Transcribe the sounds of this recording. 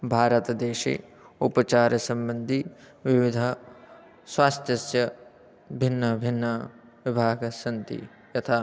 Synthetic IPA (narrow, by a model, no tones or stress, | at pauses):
bʱaːɾɐt̪ɐd̪eːʃḛːupɐt͡ʃaːɾɐsɐ̃mbɐnd̪ʱi | ʋiʋid̪ʱɐ | swaːst̪ʰjɐsjɐ | bʱinːɐbʱinːɐ | ʋibʱaːɡsɐnt̪ḭ | jɐt̪ʰaː